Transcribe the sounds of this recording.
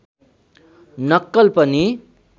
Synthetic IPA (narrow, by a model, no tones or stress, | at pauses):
nʌkːʌlpʌni